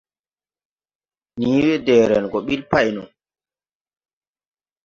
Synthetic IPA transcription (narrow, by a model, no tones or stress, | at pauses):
niːwɛdɛːɾɛnɡɔɓilpajnɔ̰n